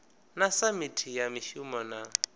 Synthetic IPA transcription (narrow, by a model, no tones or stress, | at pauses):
nasamitʰijamɪʃumɔna